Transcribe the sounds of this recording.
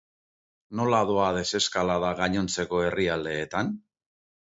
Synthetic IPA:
no̞laðo̞að̞e̞se̞skalaðaɣaɲo̞nt͡se̞ko̞e̞riald̪e̞ːt̪an

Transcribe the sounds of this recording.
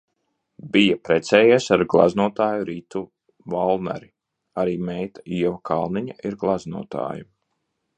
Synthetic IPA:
bijapɾɛt̪sɛːjɛsaɾɡlˠa̰znuɔt̪aːjuɾiːt̪u | valˠna̰ɾi | aɾiːmɛjt̪ḁiɛvakʰa̰lˠniɲaiɾɡlˠaznṵːɔt̪a̰ːju

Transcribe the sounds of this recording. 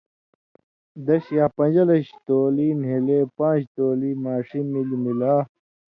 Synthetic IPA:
d̪ɐɕjaːpɐ̃nd͡ʑɐlɐɕt̪oːliːnɦeleːpãːd͡ʑt̪oːliːmaːʂimːilmilaː

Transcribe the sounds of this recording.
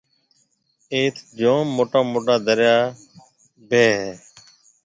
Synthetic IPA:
eːt̪ʰd͡ʒõːmːoːʈãːmoːʈaːd̪əɾjaː | beːɦɛː

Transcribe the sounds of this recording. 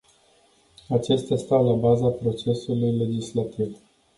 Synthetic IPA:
at͡ʃe̞st̪east̪awlabazapɾo̞t͡ʃe̞sulujle̞d͡ʒislat̪iv

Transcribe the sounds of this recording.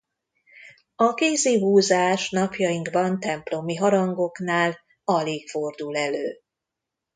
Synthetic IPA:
ɒkeːziɦuːzaːʃnɒpjɒjiŋɡbɒnt̪ɛmplo̞miɦɒɾɒŋɡo̞knaːl | ɒleːkfo̞rd̪ulɛløː

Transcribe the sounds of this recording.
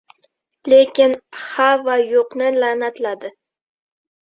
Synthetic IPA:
lekʲɪnhavajoqnɪlanat̪lad̪ɪ

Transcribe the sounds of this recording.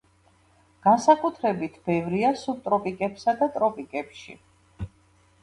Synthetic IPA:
ɡ̥ansakʼut̪ʰɾɛbit̪ʰb̥ɛvɾiasub̚t̪ʼɾɔpʼikʼɛpsad̪at̪ʼɾɔpʼikʼɛpʃḭ

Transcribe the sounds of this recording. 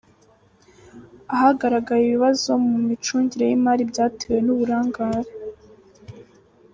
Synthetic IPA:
ahaɡaɾaɡajiβiβazo̞mumit͡ʃuːɲɟiɾe̞jimaːɾibɟaːtewe̞nuβuɾaːŋɡaːɾe

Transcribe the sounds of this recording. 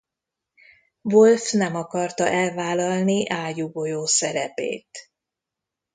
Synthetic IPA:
volfnɛmɒkɒrt̪ɒʔɛlvaːlɒlniʔaːjuɡojoːsɛɾɛpḛːt̪

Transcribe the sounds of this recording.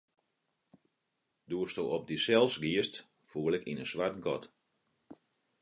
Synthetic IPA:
duəstoɔp̚disɛlˠsɡiəst | fuəlɪkinənsʋartɡɔt

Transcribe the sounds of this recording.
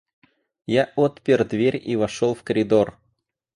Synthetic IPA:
jaʔot̪pʲɪrd̪vʲeɾʲivɐʂolˠfkəɾʲɪd̪or

